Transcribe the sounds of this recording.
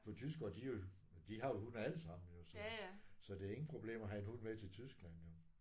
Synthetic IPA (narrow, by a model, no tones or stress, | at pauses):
fɒ̽t͡sʰysɡ̥ɐːd̥io̝ | d̥iɦɑ̈jo̝hunæləsɑ̈m̰n̩jo̝sɒsɒ̽d̥eæɐe̝ŋn̩pʰʁo̝b̥le̝̰ːmɒɦæenhudmet͡sʰe̝lt͡sʰysɡ̥læn̰jo̝